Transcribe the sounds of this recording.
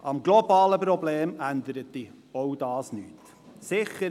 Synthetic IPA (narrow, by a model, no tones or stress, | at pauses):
ʔɑmɡlobɑːləpɾɔbleːmænd̪əɾət̚d̥i | oʊdɑːsnyːt | sɪχəɾ